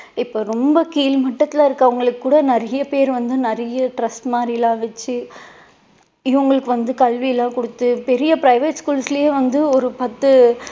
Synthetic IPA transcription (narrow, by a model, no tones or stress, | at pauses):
ɪpːoːɾɔmbɐkiːlmɐʈːɐt̪ːɪlãːɪɾɯkːɐʋɐŋɡɐɭɯkːɯkːuːɽɐnɪɾɐjɐpeːɾʋɐnd̪ɯnɐɾɐjɐʈɾɐsʈmaːɾɪjlãːʋɛt͡ʃːɯ | ɪʋɐŋɡɐɭɯkːɯʋɐnd̪ɯkɐlʋɪjɐlãːkɔɽɯt̪ːɯpɛɾɪjɐpɾɐɪʋeːʈskuːlsɪlɐjeːʋɐnd̪ɯɔɾɯpɐt̪ːɯ